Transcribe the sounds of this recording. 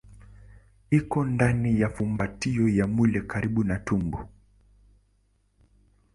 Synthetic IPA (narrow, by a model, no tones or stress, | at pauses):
ikɔndanijafumbatiɔjamulɛkaɾiɓunatumbɔ